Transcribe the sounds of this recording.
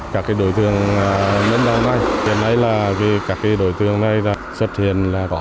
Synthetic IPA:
kaː˦˥kːaː˨˦jɗo̰˧˨jt̪ɨ˨˩əŋː˨me˨˧˦nɗa˨˧˩wna˧˩jhḭ˨˩ənʔa˧jlaː˨˩ki˨˦kaː˦˥˩kːaː˨˦jɗo̰˧˨jt̪ɨ˨˩əŋna˨˩jlaː˨˩swə˦˥t̚hḭ˧˨ənlaː˨˩kɔ˧˦

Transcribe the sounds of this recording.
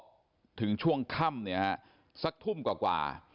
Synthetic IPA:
t̪ʰɯ˩˦ŋt͡ɕʰu˥˩əŋkʰa˥˩mni˦˥ɐh | sa˦˥k̚t̪ʰu˥˩mkwaː˨˩kwa̰ː˨˩

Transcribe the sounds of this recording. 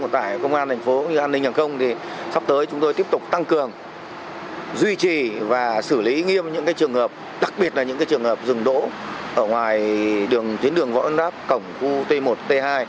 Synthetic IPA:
t̪aː˧˩jkə˧wŋ͡mʔaː˧nt̪ʰɛ˨˩ŋ̟fo˨˦ɲɨ˧ʔaː˧nːï˧ŋ̟haː˨˩xə˧wŋ͡mt̪ʰi˨˩ | sa˦˥p̚t̪əː˨˦jt͡ɕʊ˨˦ŋ͡mt̪o˧t̪i˦˥əp̚t̪ʊ˨˩k͡p̚t̪a˧ŋkɨ˨˩əŋ | zwi˧t͡ɕi˨˩vaː˨˩sɨ˧˩li˨˦ŋi˧əmɲɨ̰˧˥ŋkaː˨˦jt͡ɕɨ˨˩əŋhəː˨˩p̚ | ɗa˨˩k̚ɓi˨˩ət̚laː˨˩ɲɨ̰˧˥ŋkaː˨˦jt͡ɕɨ˨˩əŋhəː˨˩p̚zɨ˨˩ŋɗo̰˧˥ʔəː˧˩ŋwaː˨˩jɗɨ˨˩əŋt̪wi˨˦nɗɨ˨˩əŋva̰˧˥wʔə˧ntaː˦˥p̚kə˧˩wŋ͡mxu˧t̪e˧mo˨˩t̚t̪e˧ɦaː˧j

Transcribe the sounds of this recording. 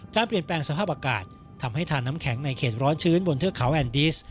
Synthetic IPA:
kaː˧npli˨˩ənplɛː˧ŋsa˧pʰaː˥˩p̚ʔaː˧ka̰ː˨˩t̪̚ʰːa˧mha˥˩jt̪ʰaː˧nːa˦˥mkʰɛ˩˦ŋna˧jkʰeː˨˩t̪̚ɾɔː˦˥nt͡ɕʰɯː˦˥nbo˧nt̪ʰɯ˥˩əkʰa˩˦wʔɛː˧ndiː˦˥s

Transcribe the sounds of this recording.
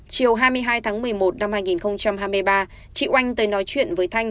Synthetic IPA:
t͡ɕi˨˩əwɦaː˧jmɨ˧əjɦaː˧jt̪ʰaː˨˦ŋmɨ˨˩əjmo˨˩t̚na˧mhaː˧jŋi˨˩nxə˧wŋ͡mt͡ɕa˧mɦaː˧jmɨ˧əjɓaː˧ | t͡ɕḭ˧˨ʔwa˧jŋ̟t̪əː˨˦jnɔ˨˦jt͡ɕwḭ˧˨ənvəː˨˦jt̪ʰa˧jŋ̟

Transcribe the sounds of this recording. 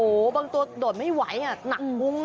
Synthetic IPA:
ʔoː˨˩ba˧ŋt̪u˧doː˨˩ma˥˩jwa˨˩˦ja˧˩na˧mŋu˧˥ŋ

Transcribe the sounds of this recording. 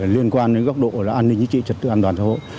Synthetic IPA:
li˧ənkwaː˧nɗe˨˦nɣɔ˦˥k͡p̚ɗo̰˧˨˧laː˨˩ʔaː˧nːï˧ŋ̟t͡ɕḭ˧˦t͡ɕḭ˧˨t͡ɕwə˨˩t̪ɨ̰˧˨ʔaː˧nt̪waː˨˩nsaː˧ɦo̰˧˨

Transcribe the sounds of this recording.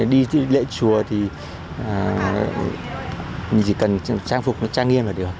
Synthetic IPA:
ɗi˧t̪ʰɨ˨˦lḛ˧˥t͡ɕu˨˩ət̪ʰi˨˩˨ | mi˨˩ŋt͡ɕi˧˩kə˨˩nt͡ɕaː˧ŋfʊ˨˩k͡p̚nɔ˨˦t͡ɕaː˧ŋi˧əmlaː˨˩ɗɨ˨˩ək̚

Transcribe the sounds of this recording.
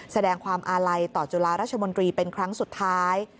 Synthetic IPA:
sa˧dɛː˧ŋkʰwaː˧mʔaː˧ɾa˧jt̪ɔː˨˩t͡ɕu˧laː˧ɾa˦˥t̪̚t͡ɕʰa˧mo˧nt̪ɾiː˧pe˧nkʰɾa˦˥ŋsu˨˩t̪ʰːaː˦˥j

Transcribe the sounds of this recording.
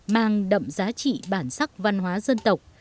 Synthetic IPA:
maː˨˩ŋɗə̰˧˨ŋ͡mzaː˨˦t͡ɕḭ˧˨ɓaː˧˩nsa˦˥k̚va˧nɦwaː˨˦zə˧nt̪ə˨˩wk͡p̚

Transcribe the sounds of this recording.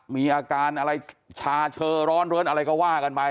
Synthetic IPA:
miː˧ʔaː˧kaː˧nʔa˧ɾa˧jt͡ɕʰaː˧t͡ɕʰɤː˧ɾɔː˦˥nɾɯ˦˥ənʔa˧ɾa˧jkɔː˥˩waː˥˩ka˧npa˧

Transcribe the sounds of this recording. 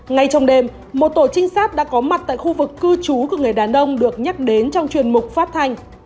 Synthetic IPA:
ŋa˧˩jt͡ɕɔ˧wŋ͡mɗe˨˩m | mo˨˩t̚t̪o˧˩t͡ɕï˧ŋ̟saː˦˥t̚ɗa̰ː˧˥kɔ˨˦ma˨˩t̚t̪a̰ː˧˨jxu˧vɨ˨˩kːɨ˧t͡ɕu˨˦ku˧˩əŋɨ˨˩əjɗaː˨˩nʔə˧wŋ͡mɗɨ˨˩ək̚ɲa˦˥k̚ɗe˨˦nt͡ɕɔ˧wŋ͡mt͡ɕwi˨˩ənmʊ˨˩k͡p̚faː˦˥p̚t̪ʰa˧jŋ̟

